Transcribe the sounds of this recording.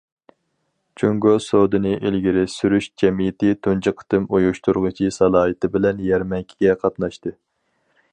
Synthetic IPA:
t͡ʃʰøŋɡosod̪ɨnɨʔelɡʲiɾɪsyɾyʃd͡ʒɛmijɪt̪ɪt̪ʰund͡ʒɨqʰə̥t̪ɨmojuʃt̪uɾʁət͡ʃʰisɑlˠɑːɦɨt̪ɪbɪlɛnjɛɾmɛŋkʲʰiɡʲɛqʰɑt̪nɑʃt̪ɨ

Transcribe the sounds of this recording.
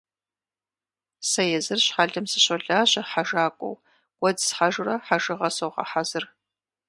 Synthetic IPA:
sɐjɛzɨrɕħaɮɨmsɨɕɐɮaːɕɐħaʒaːkʷʼɔ̰w | wɐdsħaʒʊrɐħaʒɨʁɐsowʁɐ̰ħazɨr

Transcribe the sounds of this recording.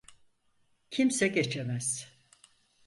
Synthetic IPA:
cʰimsɛɟe̞t͡ʃʰemæz̥

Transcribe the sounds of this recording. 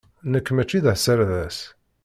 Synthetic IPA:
nəkːmæt͡ʃːiðəhsəɾðæs

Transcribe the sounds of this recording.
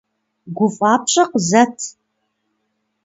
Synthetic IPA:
ɡʷʊfʼaːpɕʼɐqzɐtʰ

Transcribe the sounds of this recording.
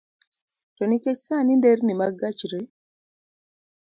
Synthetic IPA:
tɔniket͡ʃsanindernimaɡat͡ʃɾe

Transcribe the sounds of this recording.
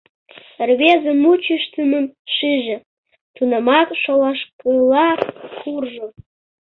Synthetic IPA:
rβezəmut͡ɕəʃt̪ənəmʃiʒĕ | t̪unəmɑkʃolɑʃkəlɑkurʒo

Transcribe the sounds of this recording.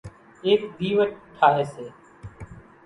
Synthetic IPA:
eːkd̪iːʋəʈʈʰːaːɦeːseː

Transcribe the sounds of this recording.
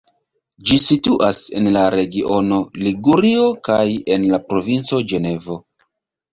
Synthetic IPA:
d͡ʒisituʔase̞nlaɾe̞ɡiʔo̞no̞liɡuɾio̞kaje̞nlapɾo̞vint͡so̞d͡ʒe̞ne̞vo̞

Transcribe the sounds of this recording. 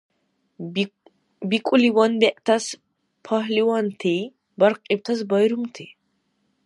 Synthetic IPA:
bikʷʼuliwɐnbɛʔt̪ʰɐs | pʰɐɦliwɐnt̪ʰi | bɐɾqʼib̚t̪ʰɐs̬bɐjɾumt̪ʰi

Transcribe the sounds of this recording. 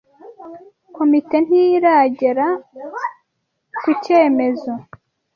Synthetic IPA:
ko̞mite̞n̥iɾaɟeɾa | kuce̞ːme̞zo

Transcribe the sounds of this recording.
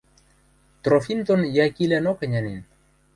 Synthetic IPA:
t̪ɾofint̪onjakilanokaɲanin

